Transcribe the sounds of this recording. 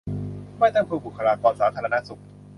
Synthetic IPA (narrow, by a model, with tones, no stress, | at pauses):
ma˥˩jt̪ɔ˥˩ŋkʰɯː˧bu˨˩kʰa˧ɾaː˧kɔː˧nsaː˩˦t̪ʰaː˧ɾa˧na˦˥ʔsu˨˩k̚